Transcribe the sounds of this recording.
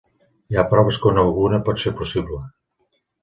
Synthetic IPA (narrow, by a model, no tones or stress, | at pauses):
iapɾɔβəskonəlɣunəpɔt̪seɾpusiβlə